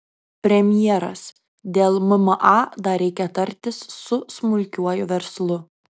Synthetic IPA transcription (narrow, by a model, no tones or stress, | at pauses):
pʲɾʲɛmʲjɛːɾɐ̰s | d̪ʲeːlˠmʊmɐʔɑd̪ɐɾʲɛɪkʲɛt̪ːɐɾʲt̪ʲɪsːʊsmʊlʲkʲuɔjʊʋʲɛɾslˠʊ